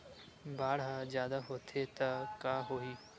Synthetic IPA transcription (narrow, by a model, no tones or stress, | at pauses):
baːɽ̤ad͡ʒjaːd̪aɦoːt̪ʰet̪ɐkaːɦoiː